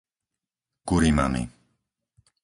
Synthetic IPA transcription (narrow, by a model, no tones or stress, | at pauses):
kuɾima̰mḭ